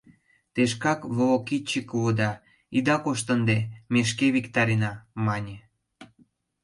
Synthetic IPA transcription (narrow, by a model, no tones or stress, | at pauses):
t̪eʃkɑkβolokit͡ɕːikβod̪ɑ | id̪ɑkoʃt̪ə̆nd̪emeʃ̬keβikt̪ɑɾinɑmɑnʲĕ